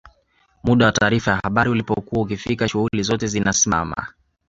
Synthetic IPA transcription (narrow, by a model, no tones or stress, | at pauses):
muɗawataːɾifajahaɓaɾiulipɔkuwaukifikaʃuhulizɔtɛzinasima̰ma̰